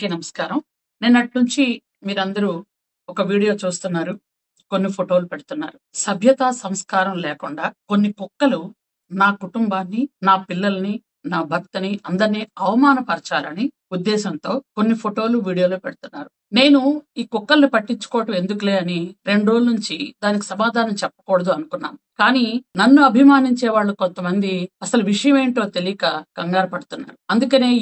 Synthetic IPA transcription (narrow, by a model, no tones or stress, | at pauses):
eːnɐmɐskaːɾɐm | nenːɐʈnuɲt͡ʃi | miːɾɐnd̪ɐɾu | ɔkɐʋiːɽijo̞ːt͡ʃuːst̪unːaːɾu | ko̞nːipʰoʈo̞ːlupeɽut̪unːa̰ːɾusɐbʱjɐt̪aːsɐmskaːɾɐmlɛːkuɳɖaːko̞nːikɔkːɐlu | naːkuʈumbaːnːinaːpilːɐlɐni | naːbʱɐk̚t̪ɐniʔɐnd̪ɐɾniːɐʋɐmaːnɐpɐɾt͡ʃaːlɐni | ud̪ːɛːsɐnt̪o̞ːko̞nːipʰoʈo̞ːluʋiːɽijoːloːpeɽut̪unːa̰ːɾu | ne̞ːnuiːkɔkːɐlɐnipɐʈːiɲt͡ʃu̥kɔːɐʈɐme̞nd̪ukule̞ːɐniɾe̞ɳɖɾoːlnuɲt͡ʃid̪aːnik̬i̥sɐmaːd̪ʱaːnɐmt͡ʃɛpːɐ̥kɔːɽɐd̪uɐnukunːa̰ːmukaːninɐnːuɐbʱimaːniɲt͡ʃɛːʋaːɭːukont̪ɐmɐnd̪iɐsɐluʋiʂɐjɐme̞ːɳʈo̞ːt̪e̞lijɐkaːɡ̥ɐŋɡaːɾɐpɐɽut̪unːa̰ːɾuɐnd̪ukɐne̞ː